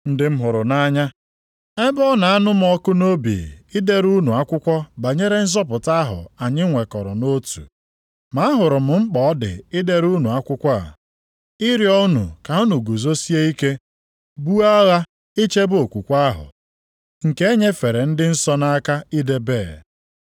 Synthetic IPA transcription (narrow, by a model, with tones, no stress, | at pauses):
n̩˦dɪ˦m̩˦ɦʊ˨ɾʊ˨na˦ɲa˦ | e˦bɔ˦na˨a˦nʊ˦m˨ɔ˦kʊ˦no˦bḭ˨ɪ˦de˦ɾu˦nu˨a˦kʷʊ˦kʷɔ˦ba˨ɲe˦ɾe˦n̩˦zɔ˦p̬ʊ˨ta˦ɦʊ̰˨a˨ɲɪ˦ŋʷe˨kɔ˨ɾɔ̰˨no˦tṵ˨ | ma˦a˦ɦʊ˨ɾʊ˨m̩˨ŋ͡m̩˦k͡pɔ˨˦dɪ̰˨ɪ˦de˦ɾu˦nu˨a˦kʷʊ˦kʷɔ˦a̰˨ | ɪ˦ɾjɔ˦nṵ˨ka˨o˦nu˨ɡu˨zo˦si˦e˦i˦ke˦ | bu˦a˦ɣa˦ | ɪ˦t͡ʃe˦bo˨kʷu˨kʷa˦ɦʊ̰˨ | ŋ̩˨ke˦e˦ɲe˦fe˨ɾe˨n̩˦dɪ˦n̩˦sɔ˦na˦ka˦i˦de˦beː˦˨